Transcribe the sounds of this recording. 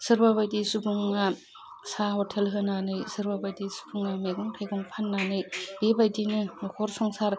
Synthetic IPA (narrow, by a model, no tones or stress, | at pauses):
sɯɾbabadisubʰuŋːa | sahɔtʰelɦɯnanɯjsɯɾbabajdisu̥bʰuŋameɡɔŋpʰejɡɔŋpʰanːanɯjbebajdinɯhʰɔɾsɔŋsaɾ